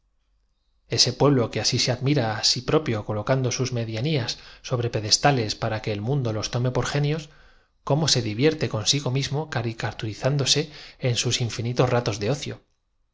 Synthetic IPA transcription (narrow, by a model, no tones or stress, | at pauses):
e̞se̞pwe̞βlo̞ke̞asise̞aðmiɾaːsipɾo̞pjo̞ko̞lo̞kand̪o̞suzme̞ðjaniasːo̞βɾe̞pe̞ðe̞st̪ale̞spaɾake̞ːlmũnd̪o̞lo̞st̪o̞me̞po̞ɾxe̞njo̞s | ko̞mo̞se̞ðiβje̞ɾt̪e̞ko̞nsiɣo̞mizmo̞kaɾikat̪uɾiθand̪o̞se̞ːnsusiɱfinit̪o̞zrat̪o̞zðe̞o̞θjo̞̰